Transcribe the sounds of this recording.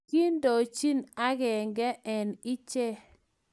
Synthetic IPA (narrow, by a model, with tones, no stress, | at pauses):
ki˦ndo˨t͡ʃi˦na˦ɡɛ˨ŋɡɛ˦ʔɛ˨nɪ˦t͡ʃɛ˦